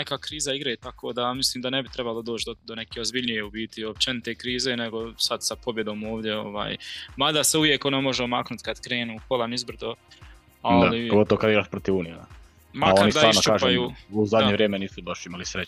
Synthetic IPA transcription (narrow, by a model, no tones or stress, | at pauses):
nekakɾiːzaiɡɾajet̪akʰoːd̪amisliːmd̪anebit̪ɾebalˠod̪oːt͡ʃd̪od̪one̞keːozbiʎnije̞ubiːt̪iop̚t͡ʃenit̪e̞ːkɾiːze̞ːneɡo̞sad̪sapo̞bje̞d̪o̞ːmo̞ːʋd̪je̞o̞̰ʋa̰ːjmad̪aseuʋjeko̞nomo̞ʒeomaknut̪kad̪kɾe̞ːnuːkolˠanizbɾ̩d̪o | ad̪alipoɡo̞t̪oʋokad̪iɡɾaːʃpɾot̪iʋuːnijea̰ | makoaniɾd̪alaːnot͡ʃuaːʒpajuːuzad̪ɲeʋɾjeːmeniːsubaʃimalisɾe